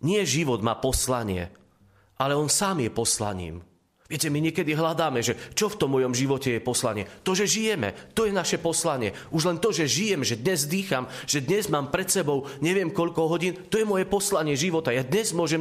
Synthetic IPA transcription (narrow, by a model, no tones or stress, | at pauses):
ɲɪɛʒiʋɔd̪maːpɔslaɲɪɛ̰ | ʔalɛɔnsaːmjɛpɔsla̰ɲḭːm | ʋɪɛcɛmiɲɪɛkɛd̪iɦlad̪aːmɛʒɛt͡ʃɔft̪ɔmːɔjɔmʒiʋɔcɛjɛpɔslaɲɪɛt̪ɔʒɛʒijɛmɛ̰t̪ɔjɛnaʃɛpɔslaɲɪɛʔuʒlɛnt̪ɔʒɛʒijɛmʒɛd̪ɲɛzd̪iːxamʒ̥ɛd̪ɲɛzmaːmpɾɛt̪sɛbɔʊɲɛʋɪɛmkɔʎkɔɦɔɟiːnt̪ɔjɛmʊɔjɛpɔslaɲɪɛʒiʋɔt̪ajad̪ɲɛzmʊɔʒɛm